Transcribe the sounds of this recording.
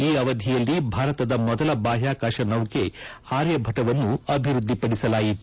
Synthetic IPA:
iːɐʋɐd̪ʱijɐlːibʱaːɾɐt̪ɐd̪ɐmɔd̪ɐlɐbaːɦjaːkaːʃɐnɐʋke̞aːɾjɐbʱɐʈɐʋɐnːuɐbʱiɾud̪ʱːipɐɽisɐlaːjit̪

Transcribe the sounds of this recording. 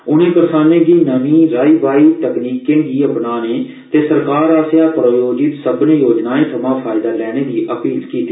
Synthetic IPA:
ʊnẽːpəɾsaːnẽːɡiːnəʋĩːɾaːiʋaːiːt̪əkniːkẽːɡiːəpnaːneː | t̪eːsəɾkaːɾaːsjaːpɾojoːd͡ʒɪt̪səbnejoːd͡ʒnaːẽːt̪ʰəmãːpʰaːɪd̪aːlɛːɽ̃eːd̪iːʔəpiːlkiːt̪iː

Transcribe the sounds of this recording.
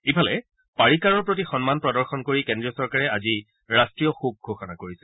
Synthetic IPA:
ipʰalɛ | paɹikaɹɔɹpɹot̬ixɔnmanpɹɔdɔɹxɔnkoɹikɛndɹiɔsɔɹkaɹɛazi | ɹastɹijɔxub̚ɡʱoxɔnakoɹisɛ

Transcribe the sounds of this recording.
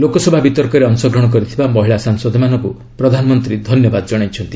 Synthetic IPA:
lokɔsɔbʱabit̪ɔɾkɔɾeɔnsɔɡɾɔɽ̃ɔk̬ɔɾit̪ʰibamɔɦiɭasaŋsɔd̪ʱɔmanɔŋku | pɾɔd̪ʱanɔmɔnt̪ɾid̪ʱɔnjɔbad̪ɔd͡ʒɔɽ̃ajt͡ʃʰɔnt̪i

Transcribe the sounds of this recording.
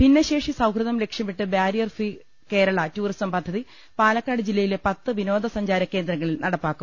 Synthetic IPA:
pinːeɕe̞ːʂisɐwkrɨðɐmlekʂjɐmiʈːɨbjaːɾijɐrfi | ke̞ːɾɐɭɐtuːrisɐmpɐd̪ʱːɐði | paːlɐkːaːɽɨd͡ʑilːɐjilepɐt̪ːɨʋino̞ːd̪ʱɐsɐɲd͡ʑaːɾɐkːe̞ːnd̪ɾɐŋːɐɭilnɐɽɐpːaːkːum

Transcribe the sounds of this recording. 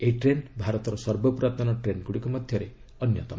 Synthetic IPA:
eiʈɾenbʱaɾɔt̪ɔɾɔsɔɾbɔpɾat̪ɔnɔʈɾenkuɽikumɔd̪ʱjɔɾe | ʌnjɔt̪ɔ

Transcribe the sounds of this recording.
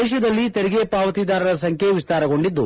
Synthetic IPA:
ɛːʃɐd̪ɐlːit̪eɾiɡepaːʋɐt̪iːd̪aːɾɐɾɐs̬ɐŋkʰeʋist̪aːɾɐɡo̞ɳɖid̪ːu

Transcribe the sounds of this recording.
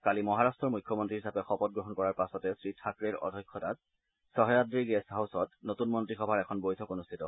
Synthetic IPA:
kalimɔɦaɹastɹɔɹmujkʰːɔmɔntɹiɦisapɛxɔpɔt̚ɡɹɔɦɔnkɔɹaɹpasɔtɛsɹitʰakɹeɹɔ̰dʱɔjkʰːɔtat̚ | sɔɦjadɹiɡesɦawsɔtnotunmɔntɹixɔbʱaɹɛkʰɔnbojtʰɔkonustʰitɔ

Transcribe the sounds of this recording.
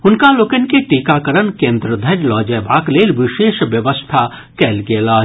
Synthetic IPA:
ʊnkalokənkeʈikakəɾənkẽːnd̪ɾəd̪ʱənlɔːd͡ʒɛːbʱaːkleːlʋɪʃeːʃʋjəʋəst̪ʰa | kɛːlɡelaː

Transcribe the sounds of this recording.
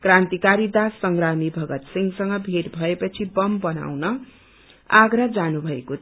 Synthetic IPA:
krãnt̪ikaɾid̪asːʌŋɡramibʱʌɡʌt̪siŋsʌŋɡʌbʱeʈbʱʌepʌt͡sʰibʌmbʌna̰wnʌ | aɡɾʌd͡zanubʱʌeko

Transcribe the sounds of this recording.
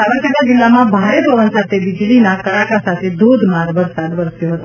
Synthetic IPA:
saməɾt͡ʃəʈad͡ʒɪlːamãbʱaɾepəʋənsat̪ʰeʋid͡ʒlinakəɾakasat̪ʰed̪ʱod̪ʱmaɾʋəɾsad̪ʋəɾsjoɦət̪o

